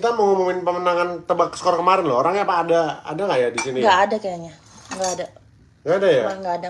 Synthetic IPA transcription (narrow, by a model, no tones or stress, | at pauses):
kit̪aməŋumumɪnpəmənaŋant̪əbakəsə̥koɾaŋkəmaɾɪnlo̰oɾaŋɲapaːdaa̰daŋɡaʔjadisiniŋɡaːdakajaɲa | ŋɡaːda | ɡaːdajaŋɡaːda